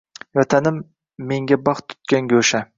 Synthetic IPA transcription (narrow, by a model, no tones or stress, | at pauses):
jɒt̪ʰanɪmː | e̞ŋɡʲabɑχt̪ʰːʊ̥t̪̚kʲaŋɡʲoʃa